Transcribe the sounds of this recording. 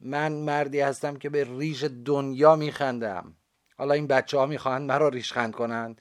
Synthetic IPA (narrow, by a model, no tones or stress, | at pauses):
mænmæɾd̪iːhæst̪æmcʰe̞beriːʃed̪onjɒːmiːxænd̪æ̰m | hɒːlɒːiːnbæt̪t͡ʃʰːehɒːmiːxɒːhænd̪mæɾɒːɾiːʃxænd̪̚ko̞nænd̪̥